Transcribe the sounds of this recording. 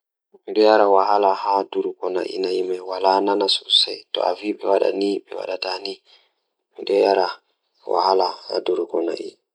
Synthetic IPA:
miɗɔjaɾawaɦalahaduɾukɔna̰ʔḭnajimɛwalananasusɛ̰tɔ̰aviɓɛwaɗa̰niɓɛwa̰ɗatani | miɗɔjaɾa | wa̰halaha̰duɾukɔna̰ʔḭ

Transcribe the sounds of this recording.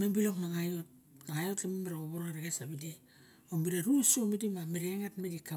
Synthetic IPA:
membiloknaŋajot̚ | naŋajolkememeɾaoβoɾoŋaɾeɡesaβide | omiɾaɾusomidimameɾeŋatmedika

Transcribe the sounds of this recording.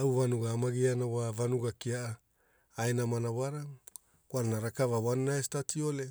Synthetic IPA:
awvanuɡaːmaɡianawavanuɡakiaʔaː | enamanawaɾa | kwannaɾakavawanːaestatʰiole

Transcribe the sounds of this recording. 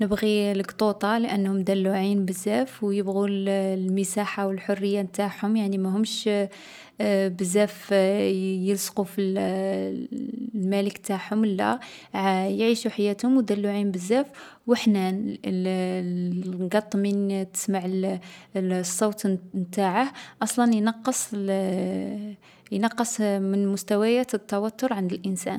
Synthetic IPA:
nəbɣiləɡt̪ˤut̪ˤɑlʔənːhʊmd̪ælːuʕinbəzːæfwjəbɣullməsaħawəlħʊrːəjːant̪aħhʊmjaʕnimæɦʊmʃ | bəzːæf | jəlsqufil | lmæləkt̪aħhʊmwlːæ̰ | jʕiʃuħajːæt̪hʊmwd̪ælːuʕimbəzːæf | wəħnæn | ɡɑt̪ˤːmint̪ə̥smaʕ | sˤːot̪mt̪aʕəhʔɑsˤlɑnjnɑqːəsˤ | jnɑqːəsˤmənmʊst̪æwæjæt̪ət̪ːɑwæt̪ːʊɾˤʕand̪əlʔənsæ̰n

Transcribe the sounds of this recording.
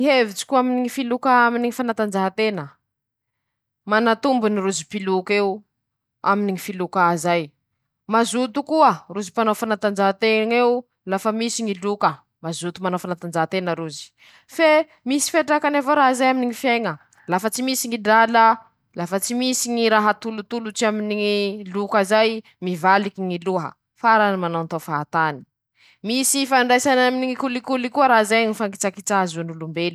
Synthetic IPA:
iɦevit͡si̥kʲuaminiŋifilukaaminiŋifanat̪and͡ʒaɦat̪enə | manat̪umbuniruzipilukeu | aminiŋifilukazaj | mazut̪ukuəruzipanofanat̪and͡ʒaɦt̪eŋew | lafəmisiŋilukə | mazut̪umanofanat̪and͡ʒaɦt̪enəɾuzi̥ | fe | misi̥feʈ͡ʂakanavoɾaɦzajaminiŋifeŋə | lafət͡simisiŋiɖ͡ʐalə | lafət͡simisiŋiɾaɦət̪ulut̪ulut͡siaminiŋilukazaj | mivalikiŋiluɦə̰ | faɾanimanawnt̪ofaat̪ani̥ | misifaɳɖ͡ʐajsanaminiŋikulikulikuəɾaɦzajŋifaŋɡit͡sakit͡sazunulumbeli̥

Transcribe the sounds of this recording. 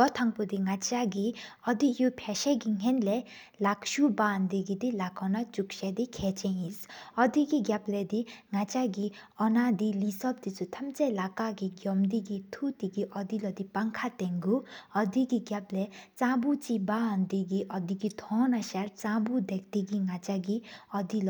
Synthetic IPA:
ɡɔt̪ʰaŋpod̪iŋat͡ɕaɡiɔd̪ijupʰɛɕɛɡiŋ̥ɛnlɛ | lakʃuband̪iɡid̪ilakɔnat͡ʃuk̚ʃɛd̪ikʰɛt͡ɕɛnjisɔd̪iɡiɡjaplɛd̪iŋat͡ɕaɡi | ɔnad̪ilisɔp̚d̪it͡sut̪ʰɐmt͡sɛlakaɡiɡjɔmd̪iɡit̪ʰut̪iɡiʔɔd̪ilɔd̪ipaŋkʰat̪ɛŋɡuɔd̪iɡiɡjaplɛt͡sãːbut͡siband̪iɡiʔɔd̪iɡid̪ʰɔ̃naʃaɾt͡sãːbud̪ɛk̚t̪iɡiŋat͡ʃaɡiɔd̪il

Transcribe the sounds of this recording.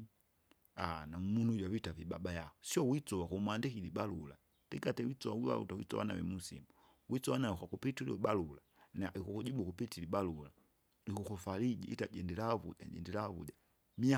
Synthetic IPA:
anamunujwavitaviba̰bajakɔsiɔwit͡sɔwakumwandikilibalula̰ | tɛkatɛwit͡sɔwawiβa̰lṵtawḭt͡sɔ̰wa̰na̰wɛ̰musḭmu | wit͡sɔwanawɛkwakupitilḭɓalula | naikukud͡ʒiɓukupitiliɓalula | likukɔfalid͡ʒḭḭtad͡ʒɛndɛlavṵʄa̰ɟɛ̰ndɛlavṵd͡ʒa | mia

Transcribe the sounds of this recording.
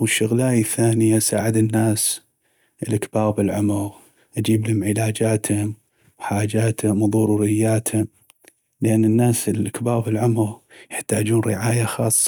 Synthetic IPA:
wəʃːʊɣlaːjaθaːnɪjasaːʕɪd̪ɪnːaːs | ʔəlʔakbɑːɣbɪlʕʊmʊɣ | ʔad͡ʒiːblhʊmʕɪlaːd͡ʒaːt̪hʊm | wħaːd͡ʒaːt̪hʊmðˤʊɾuːɾɪjːaːt̪hʊm | ləʔanːɪnːaːsəlʔakbaːɣbɪlʕʊmʊɣjɪħt̪aːd͡ʒuːnɾɪʕaːjaxɑːsˤːɑ

